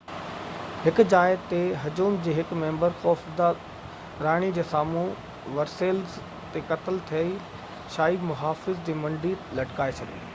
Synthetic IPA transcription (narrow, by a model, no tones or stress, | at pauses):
hɪkd͡ʑaːɪd̪t̪eɦɐd͡ʑuːmd͡ʑeːɦɪkmẽːmbəɾxɔːfd̪a | ɾaːɽ̃id͡ʑeːsaːmũ | ʋɐɾseːlz | t̪ekɐt̪əlt̪ʰijəi | ʃaːimʊɦaːfɪzd͡ʑeːmɐ̃ɳɖʱiːlɐʈkaːet͡ɕʰɐɡḛː